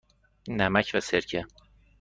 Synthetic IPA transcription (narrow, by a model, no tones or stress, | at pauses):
næmæcʰvæseɾcʰe